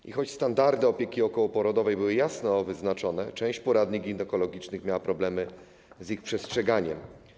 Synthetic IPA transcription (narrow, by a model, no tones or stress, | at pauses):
ʔḭxɔt͡ɕst̪and̪aɾd̪ɘɔpʲjekʲiɔkɔwɔpɔɾɔd̪ɔvɛjbɘwɘjasnɔvɘznat͡ʂɔnɛt͡ʂɛ̃w̃ɕt͡ɕpɔɾad̪ɲiɡʲinɛkɔlɔɡʲit͡ʂnɘxmʲjawapɾɔblɛmɘ | zixpʂɛstʂɛɡaɲɛm